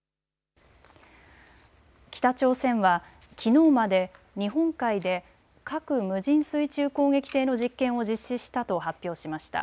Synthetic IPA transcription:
kʲi̥t̪at͡ɕo̞ːsẽ̞ɰ̃βa | kʲʰino̞ːmad̪e̞ | ɲ̟iɦõ̞ŋkaid̪e̞ | kakɯ̟mɯ̟ʑĩɰ̃sɨit͡ɕɨːko̞ːŋe̞kʲi̥t̪e̞ːno̞ʑikːẽ̞ɰ̃o̞d͡ʑiɕːiɕi̥t̪at̪o̞ɦapʲːjo̞ːɕimaɕi̥t̪a̰

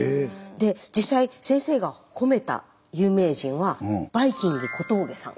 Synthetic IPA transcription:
d̪e̞d͡ʑisaisẽ̞ɰ̃se̞ːɡaho̞me̞t̪a̰ | jɯ̟ːme̞ːʑĩɰ̃βab̥aikʲĩŋɡɡ̪ekʰo̞t̪o̞ːɡe̞sã̰ŋ

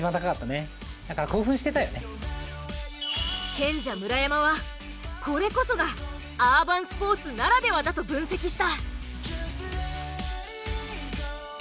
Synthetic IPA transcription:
ibanakḁkat̪ːane̞ | d̪akaɾako̞ːɸɯ̟̃ɕi̥t̪e̞t̪ajo̞̰ne | kẽ̞ɲ̟d͡ʑamɯ̟ɾajamaβa | kʰo̞ɾe̞ko̞so̞ɡa | abãɰ̃sɨ̥po̞ːt͡sɨnaɾad̪e̞βad̪at̪o̞bɯ̟̃ɰ̃se̞kʲiɕi̥t̪a

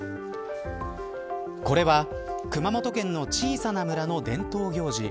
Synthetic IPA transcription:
ko̞ɾe̞βa | kɯ̟mamo̞t̪o̞kẽ̞nːo̞t͡ɕiːsanamɯ̟ɾano̞d̪ẽ̞nt̪o̞ːçʲo̞ːʑḭ

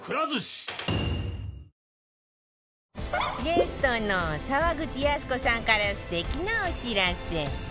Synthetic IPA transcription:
kɯɾazɨɕ | ɡe̞sɨ̥t̪o̞nosaβaɡɯ̟t͡ɕijasɨ̥ko̞sãŋkaɾasɨ̥t̪e̞kʲinaoɕiɾase

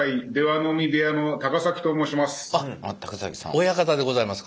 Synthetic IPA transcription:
aid̪e̞βano̞mʲid̪e̞ano̞t̪aɡasakʲi̥t̪oːmo̞ːɕimasɨ̥ama̰t̪ːḁkɯ̥sa̰kʲi̥sã̰ojakat̪ad̪e̞ɡo̞zaimasɨ̥ka

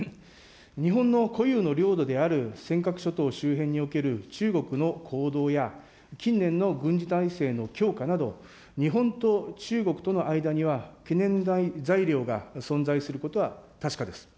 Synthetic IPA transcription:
ɲ̟iɦõ̞nːo̞ko̞jɯːno̞ɾʲo̞ːd̪o̞d̪e̞aɾɯ̟sẽ̞ŋkakɯ̟̥ɕo̞t̪o̞ːɕɨːɦẽ̞ɲ̟ːio̞ke̞ɾɯ̟t͡ɕɨːɡo̞kɯ̟no̞kʰo̞ːd̪o̞ːja | kʲĩnːẽ̞nːo̞ɡɯ̟̃ɲ̟d͡ʑit̪aise̞ːno̞kʲo̞ːkanad̪o̞̰ | ɲ̟iɦõ̞nt̪o̞t͡ɕɨːɡo̞kɯ̟̥t̪o̞no̞ʔaid̪aɲ̟iβ̞akenẽ̞nd̪aid͡zaiɾʲo̞ːɡasõ̞nd͡zaisɨɾɯ̟ko̞t̪o̞βat̪aɕi̥kad̪e̞sɨ̥

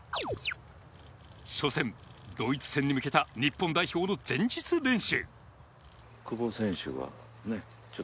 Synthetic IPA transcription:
ɕo̞sẽ̞nd̪o̞it͡sɨ̥sẽ̞ɲ̟ːimɯ̟ke̞t̪aɲ̟ipːõnd̪aiço̞ːno̞d͡zẽ̞ɲ̟d͡ʑit͡sɨbẽ̞ɰ̃ɕɨ̰ | kɯbosẽ̞ɰ̃ɕɨ̰βa̰ | ne̞ | t͡ɕo

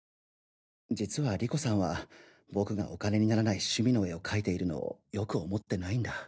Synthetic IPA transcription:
d͡ʑit͡sɨβaɾʲiko̞sãɰ̃βa | bo̞kɯ̟ɡa̰ʔo̞kane̞ɲ̟inaɾanaiɕɨmʲino̞e̞o̞kʰait̪e̞iɾɯ̟no̞̰o̰jo̞kɯ̟o̞mo̞t̪ːe̞naĩnd̪a

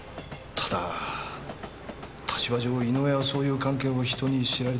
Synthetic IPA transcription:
t̪ʰḁd̪a | t̪ʰḁt͡ɕibaʑo̞ːino̞eβaso̞ːjɯ̟ːkãŋke̞ːoçi̥t̪o̞ɲ̟iɕiɾaɾe

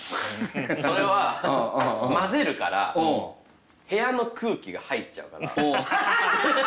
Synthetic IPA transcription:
soɾe̞βa | maze̞ɾɯ̟ka̰ɾa̰ | he̞jano̞kʰɯ̟ːkʲiɡahait͡ɕa̰ɯ̟ka̰ɾa

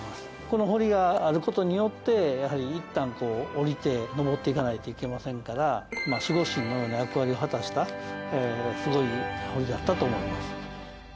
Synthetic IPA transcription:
ko̞no̞ɦo̞ɾʲiɡaːɾɯ̟ko̞t̪o̞ɲ̟ijo̞t̪ːe̞jahaɾʲiːt̪ːãŋko̞ːɾʲit̪e̞no̞bo̞t̪ːe̞ikanait̪o̞ike̞masẽ̞ŋkaɾamaɕiɡo̞ɕĩnːojo̞ːnojakɯ̟βaɾʲio̞ɦat̪aɕi̥t̪aesɨɡo̞iho̞ɾʲiɡ̪at̪ːat̪oːmo̞imasɨ̥

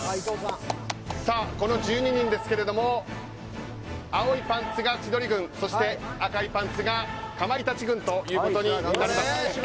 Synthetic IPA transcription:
saːko̞no̞ʑɨːɲ̟iɲ̟ĩnd̪e̞sɨ̥ke̞ɾe̞d̪o̞mo̞ | ao̞ipãnt͡sɨɡat͡ɕid̪o̞ɾʲiɡɯ̟̃ɰ̃so̞ɕi̥t̪e̞akaipãnt͡sɨɡakamaɾʲit̪at͡ɕiɡɯ̟̃nt̪o̞jɯ̟ːko̞t̪o̞ɲ̟inaɾima

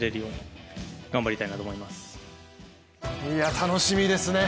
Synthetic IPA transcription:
ɾeɾio | ɡ̥ãmbaɾʲit̪ainat̪oːmo̞imasɨ̥ | iat̪ʰano̞ɕimʲid̪e̞sɨne

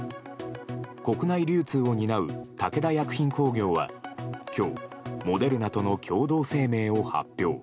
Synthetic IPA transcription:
ko̞kɯ̟naiɾʲɨːt͡sɨːo̞ɲ̟inaɯ̟t̪ake̞d̪ajakɯ̟̥çĩŋko̞ːɡʲo̞ːβa̰kʲo̞ːmo̞d̪e̞ɾɯ̟nat̪o̞no̞kʲʰo̞ːd̪o̞ːse̞ːme̞ːo̞ha̰pʲːjo̞ː

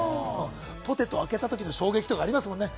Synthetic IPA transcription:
po̞t̪e̞t̪ːoake̞t̪at̪o̞kʲino̞ɕo̞ːɡe̞kʲi̥t̪o̞kaːɾʲimasɨmõ̞nːe

